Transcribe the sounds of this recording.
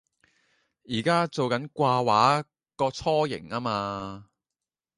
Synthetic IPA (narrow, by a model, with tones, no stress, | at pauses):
jiː˨˩kaː˥t͡so˨wkɐ˨˥nkʷaː˧waː˨˥ | kɔː˧t͡sʰɔː˥jɪ̰˨˩ŋaː˥maː˧